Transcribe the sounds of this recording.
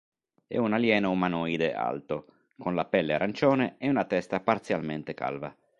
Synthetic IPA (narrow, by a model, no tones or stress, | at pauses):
ɛ̰unaljɛːnoumanɔːjd̪eʔa̰lt̪o | konlapɛlːeaɾant͡ʃɔːneɛunat̪ɛst̪apart̪sjalment̪eka̰lva̰